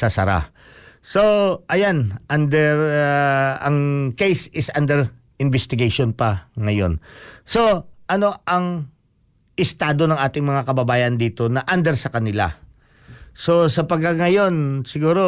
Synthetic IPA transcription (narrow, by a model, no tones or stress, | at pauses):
sɐsɐ̰ɾa̰ | so̞ʔɐjanʔand̪ɛɾ | ɐŋkejsɪsʔand̪ɛɾ | ɪnbɛst̪ɪɡejʃonpɐŋɐjo̞̰nso̞ʔɐno̞ʔɐŋ | ʔɪst̪aːd̪o̞nɐŋʔaːt̪ɪŋmɐŋakɐbɐbaːjɐnd̪iːt̪o̞nɐʔand̪ɛɾsɐkɐnɪla̰ | so̞sɐpɐɡ̚kːaŋɐjo̞nsɪɡuːɾo